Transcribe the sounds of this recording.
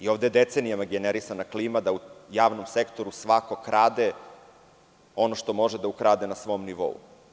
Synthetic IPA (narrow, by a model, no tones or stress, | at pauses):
io̞ʋd̪ejed̪e̞t̪senijamaɡeneɾisanakliːmad̪aujaːʋno̞mse̞kt̪o̞ɾusʋako̞kɾʔaːd̪e | o̞no̞ʃt̪o̞mo̞ʒed̪aukɾaːd̪enasʋo̞mniʋo̞̰ṵ